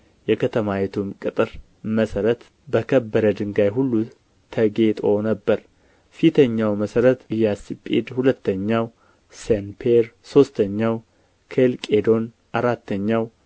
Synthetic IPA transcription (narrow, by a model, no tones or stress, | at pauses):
jɛkʰət̪ʰəmajet̪ʰumkʼɨt̪ʼɨɾ | məsəɾət̪ | bəkʰəbːəɾəd̪ɨŋɡajɦulːu | t̪ʰəɡe̞t̪ʼo̞nəbːəɾ | fit̪ʰəɲːawməsəɾət̪ɨjasipʼḛd̪hulət̪ːəɲːaw | senpʰeɾso̞st̪ʰəɲːaw | kʰelkʼe̞d̪o̞n | ʔaɾat̪ːəɲːaw